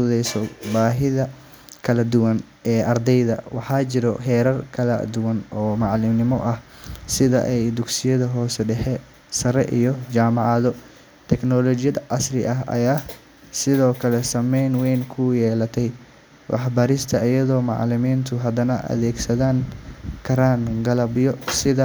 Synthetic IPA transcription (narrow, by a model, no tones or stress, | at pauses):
uðɛjsɔbaːɦɪðɐ | kʰɐlɐd̪ʊwɐn | ɛːʔɐrd̪ɛjðɐ̰wɑħɑːt͡ʃɪɾɔɦɛːɾɐrkʰɐlɐ̰d̪ʊwɐnɔːmɑʕlɪmnɪmɔʔɐh | sɪðɐ̰ʔɛjd̪ʊɡsɪjɐðɐɦɔːsɖɛħɛ | sɐɾɛʔijɔt͡ʃaːmɑʕɑðɔ | t̪ʰɛknɔːlɔt͡ʃɪjɐd̪ʔɑ̰srɪʔɐɦʔɐ̰jaː | sɪðɔːkʰɐlɛsɐmɛjnwɛjŋkʰʊjɛːlɐt̪ʰɛj | wɑ̰ħbɐɾɪst̪ʰɐʔijɐðɔːmɑ̰ʕlɪmiːnt̪ʰʊɦɐd̪ɐnɐʔɐ̰ðɛːɡsɐðaːŋkʰɐɾaːŋɡɐlɐbjɔsɪðɐ